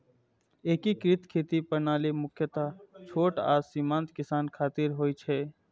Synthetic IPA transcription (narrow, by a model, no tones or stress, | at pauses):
eːkikɾɪt̪kʰeːt̪ipənaːlemʊkʰjət̪at͡ʃʰoːʈa̰ːsiːmãːnt̪kɪsaːnkʰaːt̪ɪɾɦoːit͡ʃʰɛː